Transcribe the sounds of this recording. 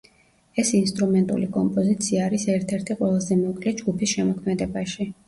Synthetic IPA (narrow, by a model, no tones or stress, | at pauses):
ɛsinst̪ʼɾumɛnt̪ʼṵlikʼɔmpʼɔzit̪sʰiaːɾisɛɾt̪ʰɛɾt̪ʰiqʼwɛlˠazɛmɔkʼlɛd͡ʒɡupʰisʃɛmɔkʰmɛd̪ɛbaʃi